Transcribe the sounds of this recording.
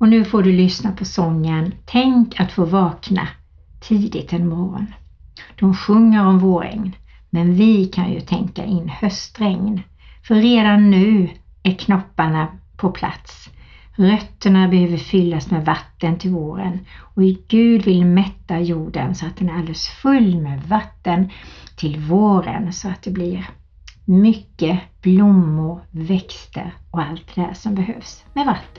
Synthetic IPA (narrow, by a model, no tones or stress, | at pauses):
ɔnʉ̟ːfoːɖɵlʏsnapʰɔsɔŋːənt̪ʰɛŋkat̪foːvɑːkna̰ | t̪ʰiːd̪ɪt̪ʰɛnmɔɾɔ̰n | d̪̥ɔmɧɵŋːəɾɔmvoːɾɛ̰ŋn | mɛnvɪkʰa̰njɵ̰t̪ʰɛŋka̰ʔɪnːhœst̪ɾɛŋn | fœɾeːd̪anːʉ̟ː | æɾkʰnɔpːaɳapʰɔpʰla̰t̪s | ɾœt̪ːəɳabɛhøːvəɾfʏlːasmɛvat̪ːənt̪ʰɪlvoːɾə̰nɔɪɡʉ̟ːd̪vɪlmɛt̪ːajuːɖənsɔat̪̚d̪ɛnæɾald̪ɛlsfɵlːmɛvat̪ːənt̪ʰɪlvoːɾə̰nsɔat̪̚d̪ɛblɪɾ | mʏkːəb̥lʊmːʊɾvɛkst̪ə̰ɾɔalt̪̚d̪ɛhæ̰ʂɔmbɛɦø̰ːvsmɛvat̪ːə̥n